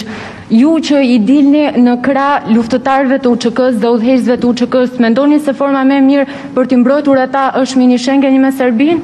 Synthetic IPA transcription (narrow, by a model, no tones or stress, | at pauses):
jut͡ɕəid̪ilninəkɾaluft̪ət̪aɾvɛt̪əut͡ʃəkəsðɛuðɦɛzvɛt̪əut͡ʃəkəst̪mɛnd̪ɔnisɛfɔɾmamɛmiɾ | pəɾt̪imbɾɔjt̪uɾat̪aʔəʃt̪miniʃɛŋɡɛɲəmɛsɛɾbin